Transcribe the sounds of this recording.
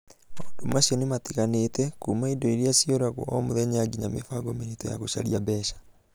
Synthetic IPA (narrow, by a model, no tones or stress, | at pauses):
moːndomaɕiɔnematiɣanetɛkuːmaidɔiɾiasioɾaɣwɔ̰ɔmoðɛɲaɡiɲamḛfaɡominitɔja̰ɣoʃaɾiabɛʃḁ